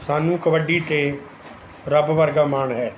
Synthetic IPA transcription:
saːnũːkɐʋəɖit̪eː | ɾəbʋəɾɡaːmaːɳɦɛː

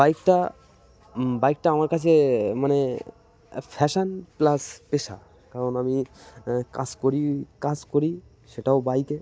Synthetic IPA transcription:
bajkʈa | bajk̚ʈaamaɾkat͡ɕʰemane | pʰɛʃanplaspeʃa̰ | kaɾonami | kaskoɾikad͡ʑkoɾi | ʃeʈaobajke

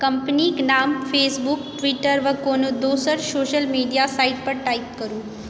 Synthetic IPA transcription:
kəmpniknaːmfʰeːsbukʈʋiʈəɾʋəkonũd̪oːsəɾsoːʃəlmiːɖijasaiʈ̚pəɾʈaipkəɾũː

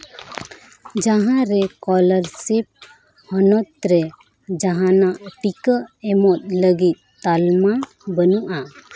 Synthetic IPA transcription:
d͡ʒaɦãɾɛkɔləɾsip̚ | hɔnɔt̪̚ɾɛ | d͡ʒaɦanaʔʈikəɛmɔt̪̚ləɡit̪̚t̪alma | bənuʔa

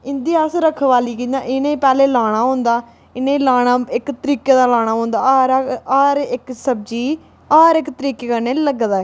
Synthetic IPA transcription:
ɪnd̪iːaːsɾəkʰʋaːliːkiãːʔɪnẽːpɛːleːlaːɽ̃aːɦõːnd̪aː | ɪnẽːlaːɽ̃aːɪkt̪əɾiːkeːd̪aːlaːɽ̃aːɦõːnd̪aːɾaːɾɪksəb̚d͡ʒiː | aːɾɪkt̪əɾiːkeːkəɾneːləɡd̪aːɛː

